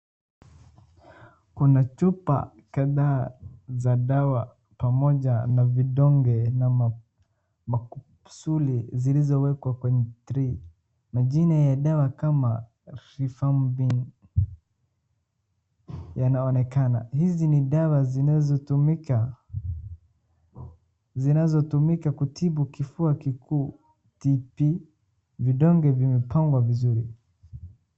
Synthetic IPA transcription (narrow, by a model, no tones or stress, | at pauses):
kunat͡ʃupa̰ | kaðaːzaɗawa | pamɔʄanaviɗɔŋɡɛna | maku̥ | sulizilizɔwɛkwakwɛɲɛtɾi | maʄinajaɗawakama | ɾifambin | janaɔnɛkana̰hiziniɗawazinazɔtumika | zinazɔtumikakutʰiɓukifuakikuː | tipi | viɗɔŋɡɛvimɛpʰaŋɡwavizuɾi